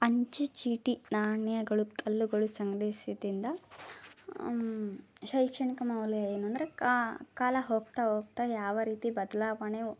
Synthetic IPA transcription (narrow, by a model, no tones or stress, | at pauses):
ɐɲt͡ʃit͡ʃiːʈinaːɳjɐɡɐɭuk̪ʰɐlːuɡɐɭusɐŋɡɾeːsit̪ind̪ɐ | ʃɐjkʂɐɳikɐmɐwleɐjɐnund̪ɾekaːlɐɦoːk̚t̪aɦoːk̚t̪ajaːʋɐɾiːt̪ibɐd̪ɐlaːʋɐne